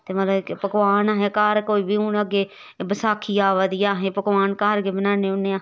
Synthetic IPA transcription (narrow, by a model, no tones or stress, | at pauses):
t̪eːməːləbkpəɡʋaːnaːɦẽːkaːɾkoːiːbiːʊnəɡeː | bəsaːkʰːiːaːʋaːd̪iːaːɦẽːpəɡʋaːnkaːɾɡeːbənaːneːʊneːaː